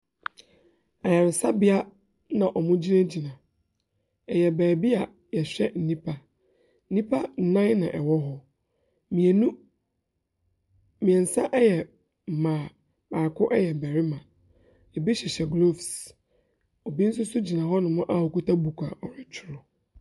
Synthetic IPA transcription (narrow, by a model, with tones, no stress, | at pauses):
a˨ja˨ɾɪ˨sa˦bɪ˨a˦ | nã˨ʔɔ˨mʊ̃˦d͡ʑi˦nã˦d͡ʑi˨nã˨ | ɛ˨jɛ˨bæː˨bi˦a˨ | jɛ˨ɕᶣɛ˦n̩˨nĩ˦pʰa˦ | n̩˦nĩ˦pʰa˦n̩˦˨nã˦nã̰˨ʔɛ˨wɔ˦ɦɔ˦ | m˨ñ˦ | mĩ˨ɛ˨n̩˨sã˦ʔɛ˦jɛ˨ | m̩˨mãː˨ | baː˨kʰʊ˦ʔɛ˦jɛ˨bɛ˨ɾɪ˦mã˨ | ɛ˨bi˦ɕɛ˨ɕɛ˨ɡlo˦fs | ɔ˨bi˦n̩˦s̬ʊ˦sʊ˦d͡ʑi˨nã˨ɦɔ˦nʊ̃˨mʊ̃˦ʔa˦˨hɔ˨ku˦tʰa˦bu˨kʷʰa˨ɔ˨ɾɪ˨t͡ɕʰɪ˦ɾʊ˨